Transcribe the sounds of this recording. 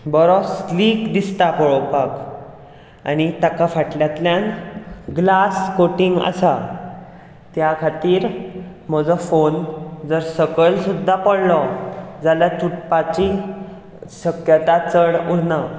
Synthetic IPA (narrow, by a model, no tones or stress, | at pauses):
bɔɾɔslikd̪ist̪apɔɭɔpak | a̰ñit̪akafaʈljat̪ljanɡlaskoʈiŋɡə̰sa | t̪jakʰat̪iːɾ | m̤əd͡zɔfond͡zəɾsəkəlsud̪ʱːapəɽlɔd͡zalat͡suʈpat͡ɕi | ɕəkjət̪at͡səɽuɽna